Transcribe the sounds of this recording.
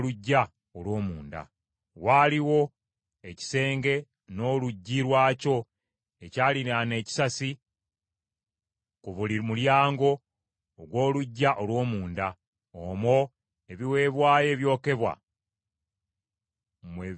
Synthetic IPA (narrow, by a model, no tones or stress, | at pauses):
luɟːa | olwo̞ːmuːnda̰ | waːliwo̞ | e̞ci̥se̞ːŋɡe̞ | no̞ːluɟːiɾwaːco̞ | e̞caːlinane̞ːci̥sasi | kuβulimuljaːŋɡo̞ː | ɡwo̞ːluɟːaʔo̞lwo̞ːmuːnda | omo̞ | e̞βiwe̞ːβwaːje̞ːβjo̞ːke̞βwa̰ | mwe